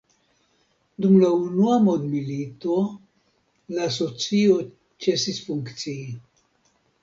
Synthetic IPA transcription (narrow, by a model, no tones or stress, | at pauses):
d̪umlaunuamod̪milit̪o̞ | laːso̞t͡sio | t͡se̞sisfuŋkt͡sii